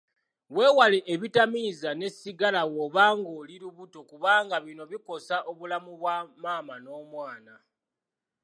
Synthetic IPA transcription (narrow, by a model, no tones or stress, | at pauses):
we̞ːwaleʔeβitamizane̞siɡalawoβaːŋɡo̞ːliɾuβuto̞kuβaːŋɡaβino̞βiko̞saʔo̞βulamuβwamaːmano̞ːmwaːna